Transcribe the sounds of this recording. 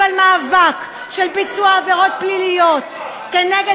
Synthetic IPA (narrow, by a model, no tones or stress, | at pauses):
almaːvak | ʃelpit͡suaːveʁo̞t̪̚plilijo̞t̪̚ | keneɡe